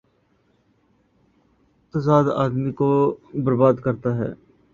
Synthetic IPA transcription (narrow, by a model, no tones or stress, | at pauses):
ɪt̪əsaːd̪a̰ːd̪mikobəɾbaːd̪kəɾt̪aɦɛ̰ː